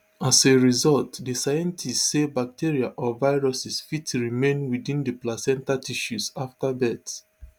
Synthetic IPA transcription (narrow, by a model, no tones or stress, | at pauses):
aseɹizɔltdisajɛ̃ntʰistsebak̚tʰiɹiaʔɔvaɪɹɔsisfitɹimẽnwidĩndəplasɛ̃ntatiʃusaftabɛt